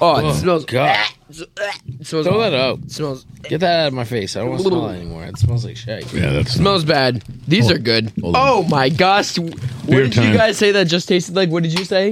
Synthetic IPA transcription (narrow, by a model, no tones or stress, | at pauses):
ɔsmɛlˠzɡɑ | smɛlˠoʊðəɾʌʊt̚smɛlˠz̥ɛt̪̚ðɨɾaʊɾʌvmaɪfeɪsaɪdõʊ̃nwɛ̰nḭmɔ̰ɹɨ̰tsmɛlˠzlaɪkʃeɪkjæ̰smɛlˠzbæd̚ðizə˞ɡʊd̥̚oʊmaɪɡɑʃwʌdɨɨɡaɪz̥seɪðɨt̚d̥ʒ̥ʌstʰeɪstɨdˡlaɪk̬wʌt̚d̥ɨd͡ʒɨseɪ